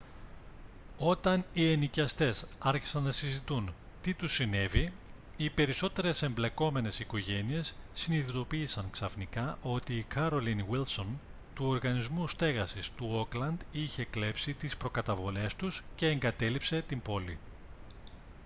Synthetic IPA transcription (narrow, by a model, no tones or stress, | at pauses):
o̞t̪ɐnie̞nicɐst̪e̞sɐɾçi̥sɐnnɐsizit̪un | t̪it̪usːine̞vi | ipe̞ɾiso̞t̪e̞ɾe̞se̞mble̞ko̞me̞ne̞siko̞ʝe̞nie̞sːiniðit̪o̞piːsɐŋksɐfnikɐʔo̞t̪iːkʰɐɾo̞linwilso̞n | t̪uo̞ɾɣɐnizmust̪e̞ɣɐsist̪uo̞klɐnd̪içe̞kle̞psit̪ispɾo̞kɐt̪ɐvo̞le̞st̪usce̞ːŋɡɐt̪e̞lipse̞t̪imbo̞li